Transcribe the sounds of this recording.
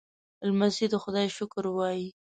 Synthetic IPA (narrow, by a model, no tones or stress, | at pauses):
lmazid̪xʊd̪ɑjʃʊkɾwɑji